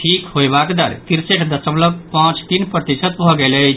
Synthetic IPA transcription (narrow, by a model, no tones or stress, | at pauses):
ʈʰikhojbakd̪əɾkiɾseʈʰd̪əsəmləɡpãt͡ʃt̪inpɾət̪isət̪bʱɔɡɛlət͡ʃ